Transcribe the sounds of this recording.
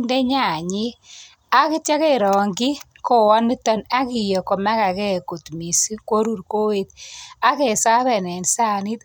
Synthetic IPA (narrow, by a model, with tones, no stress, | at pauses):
nde˦ɲa˦˨ɲi˦ | a˦kɪ˦t͡ʃa˦ke˦˨ɾɔ˨ŋɡi˦ | ko˨wa˦nmi˦tɔ˦na˦ki˨jɔ˨kɔ˨ma˦ka˨kɛ˦˨ku˨tmi˨si˦kwo˦ɾu˦ɾko˦we˦t̪a˦ke˨sa˦ðɛ˨nɛ˨nsa˦˨ni˦t